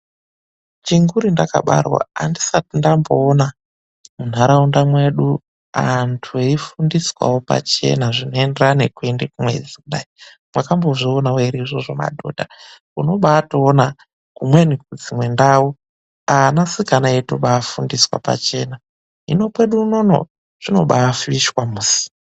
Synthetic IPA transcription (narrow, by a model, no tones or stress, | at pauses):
t͡ʃiŋɡuɾindaka̰ɓa̰rwa̰ːndisatindamboːna | mun̤aɾaundamwe̞ɗu | antʰueifundiswa̰wopa̰t͡ʃe̞̰naʐino̞enderane̞kwendekumwḛd͡zikuɗai | mwakambo̞ʐionawoiɾiiʐo̞ʐo̞ma̰dʱo̰dʱa | uno̞ɓaːtoːna | kumwe̞nik̚ud͡zimwe̞ndau | anasikanajetoɓaːfundiswa̰pa̰t͡ʃe̞̰ːna | ɦḭno̞pwe̞ɗuuno̞no̰ | ʐ̥ino̞̰ɓaːfiʃwamuːsi̥